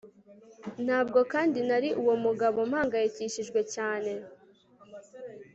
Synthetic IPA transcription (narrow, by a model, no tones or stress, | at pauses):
n̥haːb̚ɡo̞kaːndinaɾiʔuwo̞muɡaβo̞m̥haːŋɡajiciʃiʒɡwe̞caːne̞